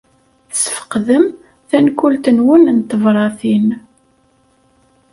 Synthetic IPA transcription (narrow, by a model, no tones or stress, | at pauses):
sə̥fə̥qðəm | θænkult̪ənwʊnnt̪ːəvɾˤɑθin